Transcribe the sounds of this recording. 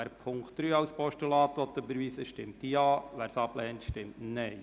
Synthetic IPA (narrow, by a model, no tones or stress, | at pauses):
æɾpʰʊŋktɾyːɑʊspʰɔʃtulɑːt̪ɔt̪ːøbəɾʋiːsəʃtɪmt̪iɑːʋæːɾsɑplɛːnt̪ʃtɪmtnɛɪ